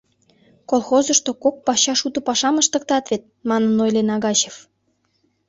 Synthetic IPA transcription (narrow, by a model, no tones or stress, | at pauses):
kolxozə̆ʃt̪okok̚pɑɕɑʃut̪ə̆pɑʃɑməʃt̪ə̆k̚t̪ɑt̪vet̪̚mɑnənojlenɑɣɑɕef